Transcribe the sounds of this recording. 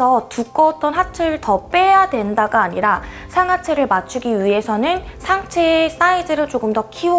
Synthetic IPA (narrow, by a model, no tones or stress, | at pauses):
ʌtuk͈ʌt͈ʌnɦat͡ɕʰeɾɯɭtʌp͈e̞jadwe̞ndaɡaaɲiɾa | sʰaŋɦat͡ɕʰe̞ɾɯɭmat͡ɕʰuɡiɥiɦe̞sʰʌnɯnsʰaŋt͡ɕʰe̞s͈aidɯɾɯɭt͡ɕoɡɯmdʌkʰio